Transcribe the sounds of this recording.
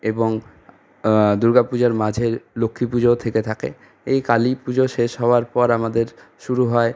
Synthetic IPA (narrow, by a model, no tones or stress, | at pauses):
eboŋ | d̪uɾɡapud͡ʑaɾmad͡ʑʱelokʰːipud͡ʑot̪ʰeket̪ʰakḛ | ejkalipud͡ʑoʃeʃɦɔoaɾpɔɾamad̪eɾ | ʃuɾuɦɔe